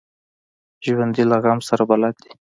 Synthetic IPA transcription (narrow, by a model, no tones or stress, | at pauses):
ʒwand̪ilaɣamsaɾabalɑd̪i̥